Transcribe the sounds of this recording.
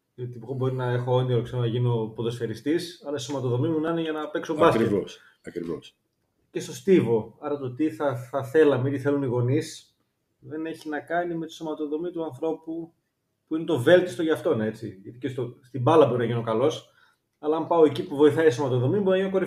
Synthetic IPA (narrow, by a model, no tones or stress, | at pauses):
ot̪ibɣobo̞ɾinɐexoond̪iokseɣonɐʝino̞poðo̞sfeɾist̪isɐlɐiso̞mɐt̪oðo̞mimunɐneʝɐnɐpe̞kso̞bɐsɾios | ɐkɾḭvo̰s | ce̞st̪o̞st̪ivo̞ɐɾɐt̪ot̪iθɐθɐθe̞lɐmeit̪iθe̞luniɣo̞nis | ðe̞ne̞çinɐkɐnime̞t̪i̥so̞mɐt̪o̞ðo̞mit̪uɐnθɾo̞pu | puinet̪o̞ve̞lt̪i̥st̪o̞ʝɐft̪o̞neet͡siʝɐt̪icest̪ost̪ibɐlɐbo̞ɾinɐʝino̞kɐlo̞s | ɐlɐɐmpɐo̞e̞cipuvo̞iθɐisomɐt̪o̞ðo̞miboɾinɐʝinokoɾi